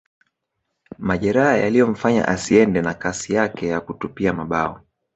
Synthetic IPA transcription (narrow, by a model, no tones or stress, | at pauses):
maʄɛɾahaja̰lijɔm̩faɲa̰ʔasiɛndɛnakasijakɛjakutupiamaɓaɔ